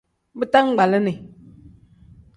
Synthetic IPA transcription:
bɨ˦ta˦ŋ̩˦ɡ͡ba˨lə˦ni˨

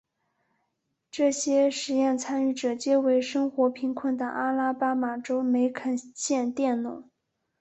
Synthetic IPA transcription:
ʈ͡ʂɤ˥˩ɕjɛ˥ʂɻ̩˧˥jɛ˥˩nt͡sʰa˥ny˥˩ʈ͡ʂɤ˨˩t͡ɕjɛ˥we˧˥ɪʂɤ˥ŋxwɔ˧˥pʰi˧˥ŋkʰwə˥˩nd̪ə˨˩ʔa˥la˥pa˥ma˨˩ʈ͡ʂo˥ʊme˧˥ɪkʰə˨˩ɕjɛ˥˧nt̪jɛ˥˩nnʊ̰˨˧˩

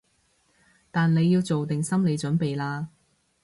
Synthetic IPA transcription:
t̪aː˨nle˨˧jːiː˧wt͡so˨wt̪ɪ˨ŋsɐ˥mle˨˧jt͡ʃɵ˨˥npe˨jlaː˧

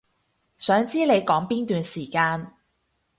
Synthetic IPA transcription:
sœː˨˥ŋt͡siː˥le˨˧jkɔː˨˥ŋpiː˥nt̪yː˨nsiː˨˩kaː˧n

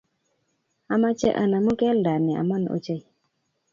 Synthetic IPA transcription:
a˨ma˦t͡ʃɛ̰˦ʔa˨na˨mu˦kɛ˦lda˨nɛ˨a̰˨ma˦no̰˨˦t͡ʃe˦˨

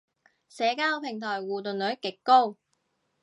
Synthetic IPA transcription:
sɛː˨˧kaː˥wpʰɪ˨˩ŋt̪ʰɔː˨˩jwuː˨t̪ɵ˨nlɵ˨˥ɥkɪ˨˥kːo˥w

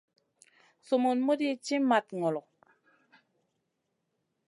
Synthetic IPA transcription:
so˨mu˨nmu˦di˦t͡ʃi˦ma˨t̪ŋɔ˨lɔ˨q

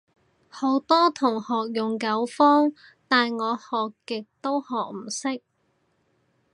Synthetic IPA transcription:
ho˨˧˥wt̪ɔː˥t̪ʰʊ˨˩ŋhɔː˨k̚jʊ˨ŋkɐ˨˥wfɔː˥ŋ | t̪aː˨nŋɔː˨˧hɔː˨kːɪ˨k̚t̪o˥whɔː˨k̚m̩˨˩sɪ˥k̚

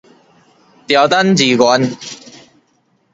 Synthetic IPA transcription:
t̪i˨˧wt̪ɐ˥nt͡siː˨˩kɔ˨˧˥n

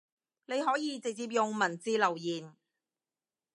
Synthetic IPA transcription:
ne˨˧jɦɔː˨˥jiː˨˧t͡sɪ˨k̚t͡siː˧p̚jʊ˨ŋmɐ˨˩nt͡siː˨˧lɐ˨˩wjiː˨˩n

